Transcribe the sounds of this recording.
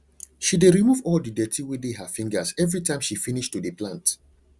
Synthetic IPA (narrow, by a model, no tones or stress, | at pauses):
ʃideɹimuvɔldidɛtʰiwideɦəfĩŋɡəzɛvɹitãɪ̃mʃifiniʃtudiplãnt